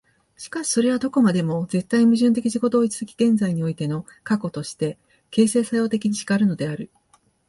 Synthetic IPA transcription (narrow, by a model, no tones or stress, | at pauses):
ɕi̥kaɕi̥so̞ɾe̞βad̪o̞ko̞mad̪e̞mo̞d͡ze̞t̪ːaimɯ̟ʑɨ̃nt̪̬e̞kʲiʑiɡo̞t̪o̞ːit͡sɨ̥zɨkʲi̥ɡ̥ẽ̞nd͡zaiɲ̟io̞it̪e̞no̞ | kako̞t̪o̞ɕi̥t̪e̞ | ke̞ːse̞ːsajo̞ːt̪e̞kʲiɲ̟iɕi̥ɡaɾɯ̟no̞d̪e̞aɾɯ̟